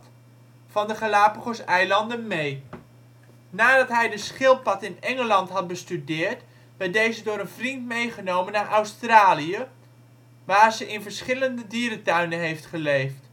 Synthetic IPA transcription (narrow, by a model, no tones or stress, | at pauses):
fɑndəχalaːpəχosɛjlɑndənmej | naːdɑtɦɛjdəsχɪlˠpɑtɪnɛŋəlɑntɦɑt̚bəstydɪːɹt | bɛjdejzədʊːɾənvrintmejχənowmənaːɹʔɔwstraːlijə | ʋaːɹzəʔɪnvəɹsχɪləndədiːɾətœɥnəɦejftχəlejft